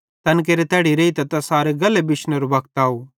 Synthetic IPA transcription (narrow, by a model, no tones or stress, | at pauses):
t̪ɐnk̬eɾet̪ɛːɽiɾeːit̪ɐt̪ɐsaːɾeɡɐlːebɪʃnəɾobɐkt̪aːoː